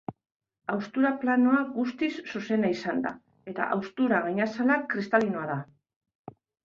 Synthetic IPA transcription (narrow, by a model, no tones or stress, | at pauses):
awst̪uɾaplano̞aɣust̪isːuse̞naisand̪a̰ | e̞t̪a̰ʔawst̪uɾaɣaɲasalakɾist̪alino̞aða